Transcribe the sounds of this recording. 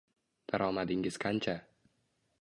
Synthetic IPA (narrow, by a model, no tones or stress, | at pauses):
d̪̥aɾʔɒmad̪ɪŋɡɪzkʰant͡ʃʰa